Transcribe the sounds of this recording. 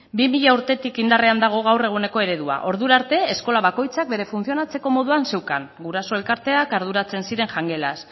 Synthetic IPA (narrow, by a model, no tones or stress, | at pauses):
bimiʎauɾt̪e̞t̪ikind̪areand̪aɣ̞o̞ɣ̞awre̞ɣ̞une̞ko̞e̞ɾe̞ðua̰ʔo̞ɾðuɾaɾt̪e̞esko̞laβ̞ako̞jt͡sak̚be̞ɾe̞funθio̞nat͡se̞ko̞mo̞ðuanse̞wkaŋɡuɾaso̞e̞lkaɾt̪e̞akaɾðuɾat͡se̞nsiɾe̞ŋʝaŋɡe̞las